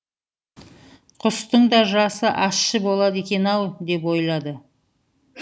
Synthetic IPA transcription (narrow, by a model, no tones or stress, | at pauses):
qʰʊst̪əɴd̪ɑʒɑsəʔɑsʃəbo̞lˠɑd̪e̞kʲe̞nɑlˠd̪e̞p̬wo̞jlˠɑd̪ə